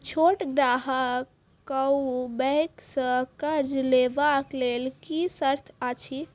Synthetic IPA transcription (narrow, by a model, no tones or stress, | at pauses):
t͡ʃʰoʈɡɾaɦəkː | əubɛksə̃kəɾd͡ʒlebaklelkisəɾt̪ʰat͡ʃʰi